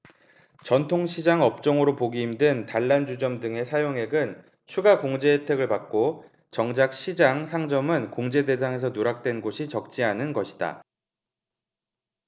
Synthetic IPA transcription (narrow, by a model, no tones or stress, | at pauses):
t͡ɕʌntʰoŋɕʰid͡ʑaŋʌp̚t͡ɕ͈ʌŋɯɾopoɡiːmdwentaɭːand͡ʑud͡ʑʌmdɯŋe̞sʰajoŋe̞ɡɯn | t͡ɕʰuɡakoŋd͡ʑe̞etʰe̞ɡɯɭpak̚k͈o | t͡ɕʌŋd͡ʑak̚ɕʰid͡ʑaŋsʰaŋd͡ʑʌmɯnkoŋd͡ʑe̞de̞s̬ʰaŋe̞s̬ʰʌnoɾak̚t͈we̞nɡoɕʰit͡ɕʌk̚t͡ɕ͈iɦanɯnɡʌɕʰi̥da̰